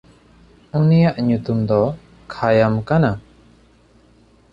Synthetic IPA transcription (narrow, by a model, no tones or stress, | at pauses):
unijaʔɲut̪umd̪ɔ | kʰajamkana